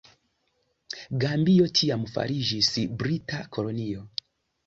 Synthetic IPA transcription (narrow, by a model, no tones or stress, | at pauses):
ɡambijɔtʰijamufa̰ɾiʒisibɾitakʰɔlɔnijɔ